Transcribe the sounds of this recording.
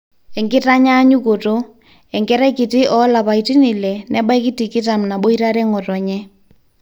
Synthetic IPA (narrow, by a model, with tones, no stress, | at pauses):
ɛ˨ŋɡɪ˦ta˦ɲa˦ɲu˦ko˨to˦ | ɛ˨ŋkɛ˦ɾɛ˦kɪ˨tɪ˦ʔɔ˨˦la˨pa˨i˨tɪ˦nɪ˨lɛ˨nɛ˦ɓa˦jkɪ˦ti˨kɪ˦ta˨mna˨ɓo˦i˦ɾa˦ɾɛ˦ŋɔ˨tɔ˨ɲɛ˦